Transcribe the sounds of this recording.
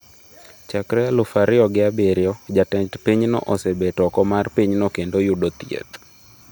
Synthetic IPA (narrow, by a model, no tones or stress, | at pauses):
t͡ʃakɾɛalʊfaɾɪɔɡɪabeɾjɔd͡ʒatɛtpiɲnɔ̰ʔosebetɔkɔmarpiɲnokendojudot̪jḛt̪